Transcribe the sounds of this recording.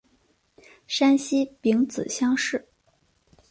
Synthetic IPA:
ʂa˥nɕi˥pi˧˥ŋt͡sɹ̩˨˩ɕjɑ˥ŋʂɻ̩˥˩

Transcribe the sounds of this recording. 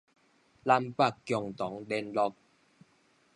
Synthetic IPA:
la˦˧mpa˥˨kkːjɔ˨˩ŋt̪ɔ˨˦ŋdɛ˧˦nlɔ˧k̚

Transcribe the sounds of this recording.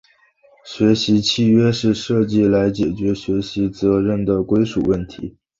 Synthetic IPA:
ɕɥɛ˧˥ɕi˧˥t͡ɕʰi˥˧ɥɛ˥ʂɻ̩˥˧ʂɤ˥˧t͡ɕi˥˩la˧˥ɪt͡ɕjɛ˨˩t͡ɕɥɛ˧˥ɕɥɛ˧˥ɕi˧˥t͡sɤ˧˥ɻə˥˩nd̪ə˩kwe˥ɪʂṵ˨˩wə˥˩nt̪ʰḭ˧˥

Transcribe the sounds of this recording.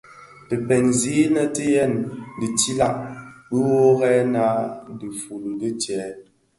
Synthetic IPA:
tə˨pɛ˨nzi˨˦nə˦tə˦jɛ˦˨ndə˨ti˦la˦˨ʔɓə˦wo˦ɣɛ˦na˦də˨fu˨lŋ˨ɡə˦t͡ʃjɛ˨˦

